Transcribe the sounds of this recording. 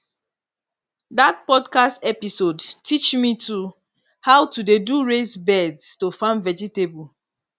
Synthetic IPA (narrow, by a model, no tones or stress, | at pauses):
dat̚pɔdkastɛpisodtʰit͡ʃmitʰu | haʊwtudeduɹezbɛdstofãʊ̃ndvɛd͡ʒitebul